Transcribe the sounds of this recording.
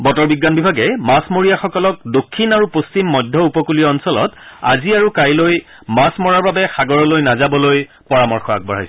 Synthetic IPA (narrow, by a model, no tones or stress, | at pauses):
bɔtɔɹbiɡːanbibʱaɡɛmasmoɹijaxɔkɔlɔk̚dokʰːinaɹupost͡ʃimːɔdʱːɔupɔkulijɔːnsɔlɔ̰ta̰ziaɹukajloj | masmɔɹaɹbabɛxaɡɔɹɔlojnazabɔloj | pɔɹamɔɹxɔa̰k̚bɔɹ̤a̰js